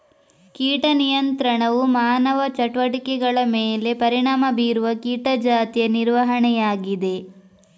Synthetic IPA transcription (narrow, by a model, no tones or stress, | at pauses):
kiːʈɐnijɐnt̪ɾɐɳɐʋumaːnɐʋɐt͡ʃɐʈʋɐʈikɛɡɐɭɐmeːle̞pɐɾiɳaːmɐbiːɾuʋɐkiːʈɐd͡ʒaːt̪ijɐniɾʋɐɦɐɳɛjaːɡid̪e̞